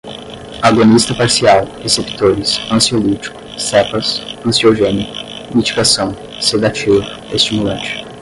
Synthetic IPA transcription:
aɡonist̪ɐpaɾsiawhesepi̥t̪oɾɪsɐ̃siolit͡ʃi̥kʊ̥sɛpɐsɐ̃sioʒẽnikʊ̥ | mit͡ʃi̥kasɐ̃w̃ | sed̪at͡ʃevʊ | est͡ʃimulɐ̃t͡ʃɪ̥

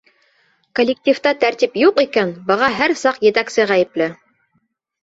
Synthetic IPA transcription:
kolʲːɪk̚tʲift̪ɑt̪æɾt̪ʲipjuqikænbɤ̆ʁɑɦæɾsɑqjɘ̆t̪æksɘʁæjɘ̆plɘ

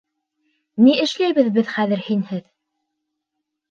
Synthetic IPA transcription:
niɘ̆ʃlæjβɘðbɘðχæðɘɾhinhɘð

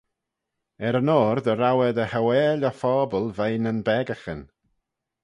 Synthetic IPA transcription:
ɛɾənoːrðəɾawɛdəhawɛːlɔfɔbɔlˠvejnənbɛɡaχɪn

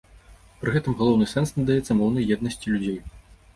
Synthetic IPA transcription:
pɾɨɣɛt̪ɨmɣalˠɔwnɨsɛnsnɐd̪ajɛt̪sɐmɔwnɐjjɛd̪̚nɐsʲt͡sʲilʲud͡zʲej

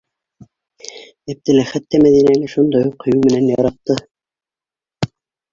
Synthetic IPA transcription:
æp̚t̪ɘ̆lɘχæt̪ːæmæðinænɘʃund̪ɑjuqːŏjuwmɘ̆nænjɑɾɑq̚t̪ɤ

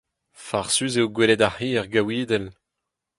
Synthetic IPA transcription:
faʁsyzeoɡwelɛd̪ahiɛʁɡawiːd̪ɛl

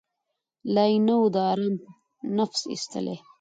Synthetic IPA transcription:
lajnawd̪ɑːɾɑm | nafsḭst̪ə̰le

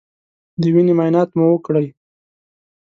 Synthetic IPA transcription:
d̪əwinemɑjnɑt̪muwəkɽəj

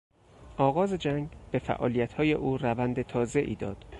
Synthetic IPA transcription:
ʔɒːɣɒːze̞d͡ʒæŋɡbe̞fæ̰ʔɒ̰ːlijæt̪ʰhɒːje̞ʔuːrævænd̪e̞t̪ʰɒːze̞ʔḭːd̪ɒ̰ːd̪̥

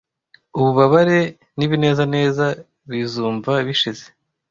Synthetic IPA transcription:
uβuβaβaɾe̞ | niβine̞ːzane̞ːza | βizuːɱvaβiʃize̞

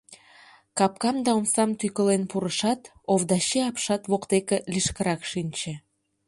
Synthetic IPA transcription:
kɑp̚kɑmd̪ɑomsɑmt̪ykəlenpuɾəʃɑt̪ | ovd̪ɑɕeɑpʃɑt̪βokt̪ekeliʃkəɾɑkʃinʲt͡ɕe

